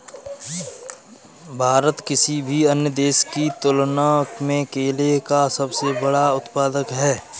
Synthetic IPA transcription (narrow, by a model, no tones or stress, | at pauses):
bʱaːɾət̪kɪsibʱiɐnjəd̪eːskit̪ʊlnakmẽkeːlekasɐbsebɐɽaʊt̪paːd̪əkɦɛː